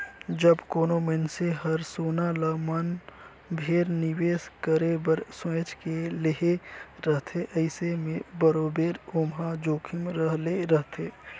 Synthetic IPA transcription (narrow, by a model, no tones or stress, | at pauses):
d͡ʒəbkoːnomenseɦəɾsoːnaləmən | bʱeːɾniweːskəɾebəɾswẽːt͡ʃkeleɦeɾəɦt̪ʰeʔəɪsemẽbəɾoːbeːɾoːmɦad͡ʒoːkʰimɾəɦleɾəɦt̪ʰeː